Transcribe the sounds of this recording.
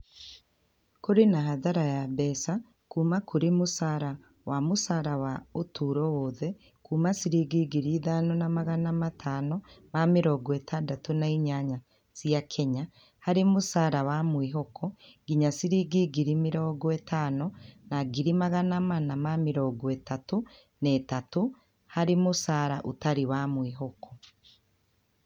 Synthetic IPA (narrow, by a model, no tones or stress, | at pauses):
koɾenaɦaðaɾajabɛsa | kuːmakoɾemusaːɾa | wamosaːɾawaotʰuɾɔwoðɛ | kuːmasiɾiɡiɡiɾiːðanɔnamaɣanamatʰaːnɔmamiɾɔɡwɛtʰadatonaiɲaɲa | z̥jakʰɛɲa | haɾemosaːɾawamwiɦɔkʰɔɡiɲasiɾiɡiɡiɾimiɾɔɡɔetʰaːnɔnaɡiɾimaɣanamanamamiɾɔɡɔetato | netato | haɾemosaːɾaʔo̰taɾiwamwiɦɔkʰɔ̥